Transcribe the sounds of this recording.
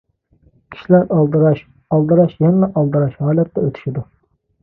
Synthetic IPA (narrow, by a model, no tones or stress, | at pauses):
kʲʰi̥ʃilæɾdɾɑʃ | ɑlˠd̪ɨɾɑʃjɑnmɛʔɑlˠd̪ɨɾɑʃhɑːlɛt̪ːɛøt̪ʰy̥ʃid̪u